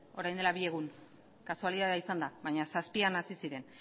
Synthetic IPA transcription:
o̞ɾajnd̪elaβie̞ɣ̞un | kasualiðaðeaisand̪aβajɲasaspianasisiɾe̞n

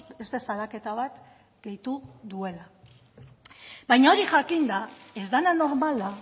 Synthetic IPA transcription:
e̞st̪e̞salake̞t̪aβat̪ | ɡ̥e̞jt̪uðue̞la | bajɲao̞ɾiʝakind̪ae̞zd̪anano̞ɾmala

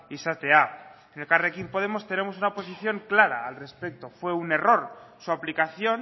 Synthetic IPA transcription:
isat̪eaenelkarekimpoð̞e̞mo̞st̪e̞ne̞mo̞s̬unapo̞siθjo̞ŋklaɾaːlre̞spek̚t̪o̞fwe̞une̞ro̞ɾsuaplikaθjo̞n

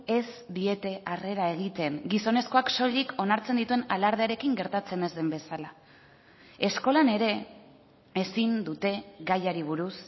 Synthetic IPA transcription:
e̞s | d̪ie̞t̪e̞ʔare̞ɾae̞ɣ̞it̪e̞ŋɡiso̞ne̞skoakso̞liko̞naɾt͡se̞nd̪it̪ue̞nalaɾð̞eaɾe̞kiŋɡe̞ɾt̪at͡se̞ne̞zðe̞mbe̞sala | e̞sko̞lane̞ɾe̞ | esind̪ut̪e̞ɣajaɾiβ̞uɾus

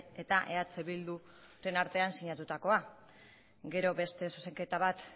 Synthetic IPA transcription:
e̞t̪aʔe̞at͡seβild̪u | ɾe̞naɾt̪e̞ansiɲat̪ut̪ako̞a | ɡe̞ɾo̞βe̞st̪e̞suse̞ŋke̞t̪aβat̪

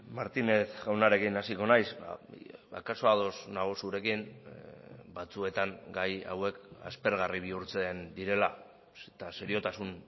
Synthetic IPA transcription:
maɾt̪ine̞θɣawnaɾe̞kinasiko̞najsa̰ba̰kaso̞aðo̞snaɣ̞osuɾe̞kin | bat͡sue̞t̪aŋɡaja̰we̞ka̰spe̞ɾɣ̞ariβ̞iuɾt͡send̪iɾe̞la | set̪aseɾio̞t̪asun

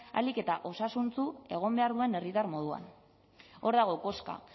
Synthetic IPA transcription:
a̰like̞t̪aʔo̞sasunt͡sue̞ɣ̞o̞mbe̞aɾðue̞ne̞rit̪armo̞ð̞ua̰n | o̞ɾðaɣ̞o̞ko̞ska̰

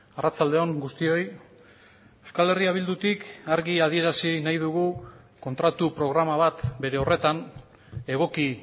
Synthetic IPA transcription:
arat͡sald̪e̞o̞ŋɡust̪io̞j | e̞wskale̞riaβ̞ild̪ut̪ikaɾɣiað̞ie̞ɾasinajðuɣu | ko̞nt̪ɾat̪upɾo̞ɣɾamaβ̞at̪be̞ɾe̞o̞re̞t̪an | e̞ɣ̞o̞ki

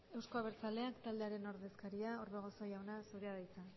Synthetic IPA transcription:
e̞wsko̞aβ̞e̞ɾt͡sale̞akt̪ald̪e̞aɾe̞no̞ɾðe̞skaɾiaoɾβeɣ̞o̞so̞jawnasuɾeaðajt͡sa

